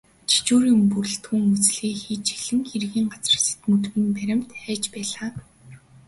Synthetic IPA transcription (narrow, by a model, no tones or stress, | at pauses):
t͡ɕʰi̥t͡ɕuːɾjʊmpuɾɘ̆ɬt̪xuŋut͡sɮeːxiːt͡ɕt͡ɕiɮɘ̆ŋxerɣiːŋɢat͡sə̆rse̥t̪mut̪ɣĭnpæɾʲɪ̆m̥t̪æːt͡ɕpæːɮaː